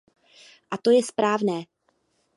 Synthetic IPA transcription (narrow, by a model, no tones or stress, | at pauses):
ʔat̪o̞jɛspɾaːvnɛː